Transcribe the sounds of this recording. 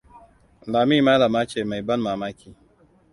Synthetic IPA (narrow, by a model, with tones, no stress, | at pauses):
laː˨miː˦˨maː˦lɐ˨maː˦t͡ʃeː˨ma˨jbɐ˦nmaː˨maː˦kʲiː˨